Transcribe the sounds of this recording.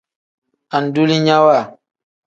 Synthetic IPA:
a˨n˨du˦li˦ɲa˦wa˦˨

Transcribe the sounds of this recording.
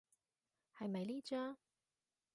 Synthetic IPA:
hɐ˨jmɐ˨jliː˥t͡ʃœː˥ŋ

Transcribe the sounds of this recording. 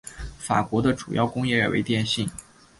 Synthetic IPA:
fa̰˨˩kwɔ˧˥d̪ə˧ʈ͡ʂu˨˩jɑ˥˩ʊkʊ˥ŋjɛ˥˩ə˞˨˩wʔḛ˧˥ɪt̪jɛ˥˧nɕi˥˩ŋ

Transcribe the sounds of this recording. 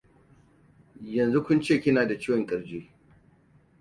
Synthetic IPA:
jɐ˨nzu˦kʷʊ˦nt͡ʃeː˦˨kʲɪ˦naː˨da˨t͡ʃɪ˦wɔ˨ŋkʼɐ˨ɾd͡ʒeː˦

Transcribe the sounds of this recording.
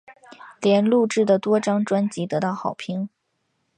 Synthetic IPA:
ljɛ˧˥nlu˥˧ʈ͡ʂɻ̩˥˩d̪ə˩t̪wɔ˥ʈ͡ʂɑ˥ŋʈ͡ʂwa˥nt͡ɕi˧˥t̪ɤ˧˥t̪ɑ˥˩ʊxɑ˨˩ʊpʰi˧˥ŋ

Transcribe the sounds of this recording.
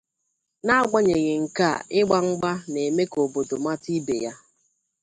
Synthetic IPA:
na˦a˦ɡ͡ba˦ɲe˨ɣe˨ŋ̩˨ka˦˨ɪ˦ɡ͡ba˦ŋ͡m̩˦ɡ͡ba˦ne˨me˦ko˨bo˨do˨ma˦ti˦bḛ˨ja˦

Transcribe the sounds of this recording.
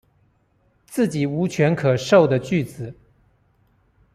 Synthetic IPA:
t͡sɹ̩˥˩t͡ɕi˨˩u˧˥t͡ɕʰɥɛ˧˥nkʰɤ˨˩ʂo˥˩ʊd̪ə˩˨t͡ɕy˥˩t͡sɹ̩˨˩˦

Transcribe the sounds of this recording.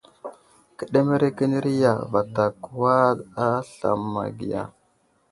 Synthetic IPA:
kə˨ɗe˦me˦ɾe˦ki˦ni˦ɾi˦ja̰˨va˨ta˨ku˨wa˦a˦ɬa̰˨mːa̰˨ɡi˨ja̰˨

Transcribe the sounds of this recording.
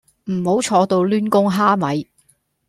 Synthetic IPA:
m̩˨˩ho˨˥wt͡ʃʰɔː˧t̪o˧wlyː˥nkʊ˥ŋɦaː˥mɐ˨j

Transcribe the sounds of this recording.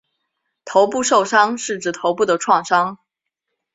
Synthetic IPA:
t̪ʰo˧˥ʊpu˥˧ʂo˥˩ʊʂɑ˥ŋʂɻ̩˥˩ʈ͡ʂɻ̩˧˥˩t̪ʰo˧˥ʊpu˥˩d̪ə˩ʈ͡ʂʰwɑ˥˩ŋʂɑ˥ŋ

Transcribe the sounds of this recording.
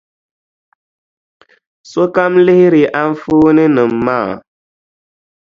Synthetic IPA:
so˦ka˦mli˦hi˦ɾi˨ʔa˦n˦fuː˦ni˦nɨ˨mːaː˦˨

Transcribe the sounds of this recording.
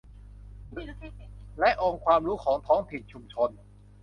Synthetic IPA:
lɛ˦˥ʔoː˧ŋkʰwaː˧mɾuː˦˥kʰɔː˩˦ŋt̪ʰɔː˦˥ŋt̪ʰi˨˩nt͡ɕʰu˧mt͡ɕʰo˧n

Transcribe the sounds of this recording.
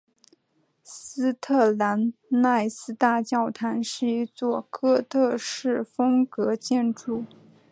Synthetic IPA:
sɹ̩˥t̪ʰɤ˥˩la˧˥nna˥˩ɪsɹ̩˥t̪a˥˧t͡ɕjɑ˥˩ʊt̪ʰa˧˥nʂɻ̩˥˩i˧˥t͡swɔ˥˩kʰɤ˥t̪ʰɤ˥˧ʂɻ̩˥˩fɤ˥ŋkɤ˧˥t͡ɕjɛ˥˧nʈ͡ʂu˥˩

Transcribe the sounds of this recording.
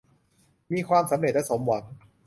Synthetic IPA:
miː˧kʰwaː˧msa˨˩˦mɾeː˨˩t̪ʔa˧˥so˨˩˦mwa˨˦n

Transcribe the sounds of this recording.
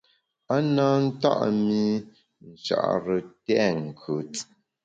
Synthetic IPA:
a˦naː˦n̩˦ta̰˦ʔmi˦ | n̩˨t͡ʃa̰˨ʔɾə˨tɛ˦˨ŋ̩˨kʰə˨˦t

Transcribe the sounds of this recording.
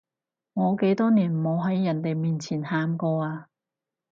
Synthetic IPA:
ŋɔː˨˧ke˨˥jt̪ɔː˥niː˨˩nmo˨˧wɦɐ˨˥jːɐ˨˩nt̪e˨jmiː˨nt͡sʰiː˨˩nhaː˧mkɔː˧aː˧

